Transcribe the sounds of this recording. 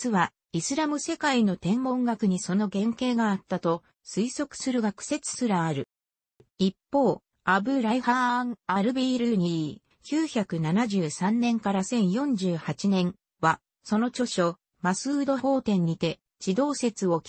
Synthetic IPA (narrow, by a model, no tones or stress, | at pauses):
t͡sɨβa | isɨɾamɯ̟se̞kaino̞t̪ẽ̞ŋmõ̞ŋɡakɯ̟ɲ̟iso̞no̞ɡẽ̞ŋke̞ːɡaːt̪ːat̪o̞ | sɨiso̞kɯ̟̥sɨɾɯ̟ɡakɯ̟̥se̞t͡sɨ̥sɨɾaːɾɯ̟ | ipːo̞ː | abɯ̟ɾaihaŋaɾɯ̟biːɾɯɲ̟i | kʲɨːçakɯ̟nanaʑɨːsãnːẽ̞ŋkaɾasẽ̞ɰ̃jõ̞ɲ̟d͡ʑɨːhat͡ɕinẽ̞ŋ̃ | βa | so̞no̞t͡ɕo̞ɕo̞ | masɨːd̪o̞ho̞ːt̪ẽ̞ɲ̟ːit̪e̞ | d͡ʑid̪o̞ːse̞t͡sɨo̞